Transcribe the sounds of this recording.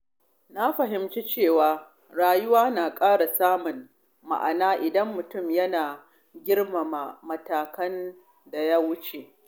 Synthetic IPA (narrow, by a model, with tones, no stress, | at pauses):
na˦ɸɐ˨ɦɪ˨mt͡ʃi˦t͡ʃeː˦˨waː˨ | ɽaː˨jʊ˦waː˦naː˨kʼaː˦ɽa˨saː˦mʊ˨n | ma̰˨ʔa̰˨naː˦ʔɪ˨dɐ˦mːʊ˨tʊ˦˨mjɐ˦naː˨ | ɡʲɪ˦ɽma˨a˨mɐ˨taː˨kɐ˦n | da˨ja˦wʊ˦t͡ʃe˨ʔ